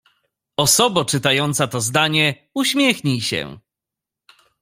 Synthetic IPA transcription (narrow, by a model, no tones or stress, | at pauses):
ɔsɔbɔt͡ʂɘt̪ajɔnt̪sat̪ɔzd̪aɲɛ | uɕmʲjɛxɲiɕɛ̰